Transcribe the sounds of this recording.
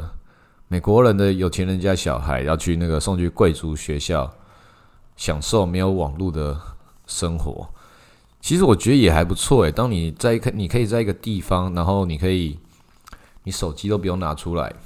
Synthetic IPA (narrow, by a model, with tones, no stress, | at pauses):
me˨˩ɪkwɔ˧˥ɻə˧˦nd̪ə˧jo˨˩ʊt͡ɕʰjɛ˧˥nɻə˧˦nt͡ɕja˦˥ɕjɑ̰˨˩ʊxa̰˧˥ɪjɑ˥˧ʊt͡ɕʰy˥˧na˥˩ɡə˩ʂo˥˧ŋt͡ɕʰy˥˧kwe˥˨ɪt͡su˧˥ɕɥɛ˧˥˦ɕjɑ˥˨˩ʊ | ɕjɑ˨˩ŋʂo˥˩ʊme˧˥ɪjo˧˥ʊwɑ̰˨˩ŋlu˥˩d̪ə˩ | ʂə˥ŋxwɔ̰˧˥ | t͡ɕʰi˧˥ʂ̩˨˥wɔ˨˩t͡ɕɥɛ˧˥d̪ə˧˦jɛ˨˩xa˧ɪpu˧˦t͡sʰwɔ˥˨ɛ˨˩t̪ɑ˥ŋni˨˩t͡sa˥˩ɪkʰni˨˩kʰɤ˧˥i˨˩t͡sa˥˩i˥ɡə˨t̪i˥˨fɑ˦ŋna˧˥nxo˥˩ʊni˨˩kʰɤ˧˥i˨˩ | ni˨˥ʂo˨˩ʊt͡ɕi˥t̪o˥ʊp̬u˧˩jo˥˩ŋna˨˧˥ʈ͡ʂʰu˦la̰˧˦ɪ